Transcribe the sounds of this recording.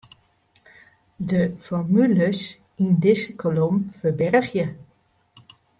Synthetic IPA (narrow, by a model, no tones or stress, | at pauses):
dəfɔrmyləs | indɪsəkʰolomfəbɛrχjə